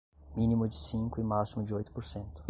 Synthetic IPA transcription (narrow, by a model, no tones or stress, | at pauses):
mĩnimʊd͡ʒɪsĩŋkʊɪmasimʊd͡ʒɪojt̪ʊ̥poɾsẽnt̪ʊ̥